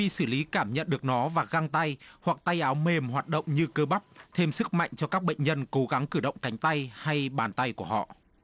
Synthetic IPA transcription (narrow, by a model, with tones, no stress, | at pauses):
ḭ˧˨sɨ˧˩li˨˦kaː˧˩mɲə̰˧˨nɗɨ˨˩ək̚nɔ˨˦vaː˨˩ɣa˧ŋt̪a˧jhwa˨˩k̚t̪a˧jʔaː˨˦wme˨˩mhwaː˨˩t̚ɗə̰˧˨wŋ͡mɲɨ˧kəː˧ɓa˦˥p̚t̪ʰe˧msɨ˦˥k̚ma̰˧˨jŋ̟t͡ɕɔ˧kaː˦˥k̚ɓə̰˧˨jŋ̟ɲə˧nko˨˦ɣa˨˦ŋkɨ˧˩ɗə̰˧˨wŋ͡mka˨˦jŋ̟t̪a˧jha˧jɓaː˨˩nt̪a˧jku˧˩əhɔ̰˧˨